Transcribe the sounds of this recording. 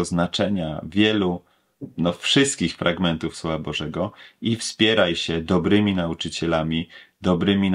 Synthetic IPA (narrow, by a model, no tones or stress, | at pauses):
ɔznat͡ʂɛɲa̰vʲjɛlu | nɔfʂɘst̪̚kʲixfɾʔaɡmɛnt̪ufswɔvabɔʐɛɡɔifspʲjɛɾajɕɛd̪ɔbɾɘmʲinaut͡ʂɘt͡ɕɛlamʲid̪ɔbɾɘmʲin